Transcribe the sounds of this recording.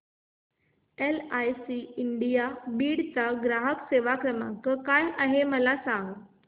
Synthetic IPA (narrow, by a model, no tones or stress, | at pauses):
elajsiiɳɖijabiːɽt͡saɡɾaɦəkseʋakɾəmã̰ŋkəkajʔaɦeməlasãŋɡ